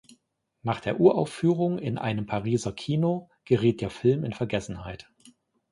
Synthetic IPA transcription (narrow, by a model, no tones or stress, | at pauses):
naːχd̥eːɐʔuːɐʔa̰ʊfyːʁʊŋɪ̰nʔa̰ɪnəmpʰaʁiːzɐkʰiːno | ɡ̥əʁiːt̚d̥eːɐfɪlmɪnfɛɐɡɛsn̩haɪt